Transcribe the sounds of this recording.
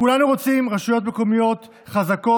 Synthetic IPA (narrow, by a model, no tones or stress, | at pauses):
kulanuʁo̞t͡simʁaʃujo̞t̪̬meko̞mijo̞t̪ | χazako